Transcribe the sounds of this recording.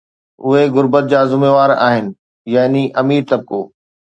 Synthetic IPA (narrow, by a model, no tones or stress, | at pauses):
ʊɦeɣʊɾbət̪̚d͡ʑaːzʊmeːʋaːɾa̰ːɦɪnɪ̆ | jaːɦniʔɐmiːɾt̪ɐb̚koː